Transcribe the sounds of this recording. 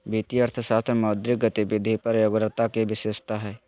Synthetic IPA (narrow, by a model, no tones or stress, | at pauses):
bʱiːt̪iəɾt̪ʰəsaːt̪ʰɾmɔːd̪ɾɪk̚ɡət̪ibɪd̪ʱipɐɾjoɡɾət̪akeʋɪʃeːʃt̪aɦɛː